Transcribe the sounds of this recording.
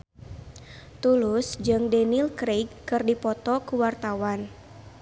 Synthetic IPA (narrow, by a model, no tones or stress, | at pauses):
t̪ulusd͡ʒɨŋdɛnilkɾeɡkɨrdipɔt̪ɔkuwart̪awan